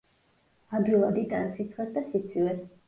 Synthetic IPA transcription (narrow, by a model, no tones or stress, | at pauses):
abilˠad̪it̪ʼansit̪sʰχɛsd̪asit̪sʰivɛs